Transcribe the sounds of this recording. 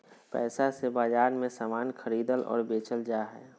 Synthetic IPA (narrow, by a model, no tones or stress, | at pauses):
pɛ̰ːsasebaːd͡ʒaːɾmẽsaːmaːnxʰəɾiːd̪əlɔ̰ːɾbeːt͡ʃəld͡ʒaːɦɛ̰ː